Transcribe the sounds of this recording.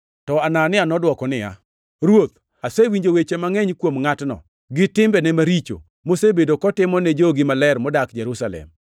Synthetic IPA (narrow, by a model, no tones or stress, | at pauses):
tɔananɪanɔdwɔkɔnɪja̰ | ɾwot̪̚ | asewiɲd͡ʒowet͡ʃemaŋɛɲkwomŋatnɔ̰ | ɡɪtɪmbɛnɛmaɾit͡ʃo̰ | mosebedokɔtɪmɔned͡ʒoɡɪmalɛɾmɔdakd͡ʒɛɾusalɛ̰m